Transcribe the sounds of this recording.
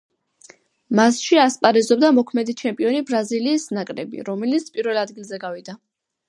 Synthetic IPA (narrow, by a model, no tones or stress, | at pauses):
masʃiaspʼaɾɛzɔbd̪amɔkʰmɛd̪it͡ʃʰɛmpʼiɔnibɾaziliːsnakʼɾɛ̰bḭɾɔmɛlit̪sʰpʼiɾvɛlˠad̪ɡilˠzɛɡavid̪a